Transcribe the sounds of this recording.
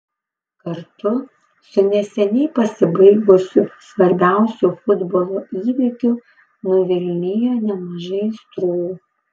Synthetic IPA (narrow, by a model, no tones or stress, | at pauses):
kɐɾt̪ʊ | sʊnʲɛsʲɛnʲɛɪpɐsʲɪbɐɪɡʊsʲusʋɐɾʲbʲæˑʊsʲuːfʊd̪boːlˠoːiːʋʲɪkʲuː | noʋʲɪlʲnʲɪjonʲɛmɐʒɐɪst̪ɾuːuː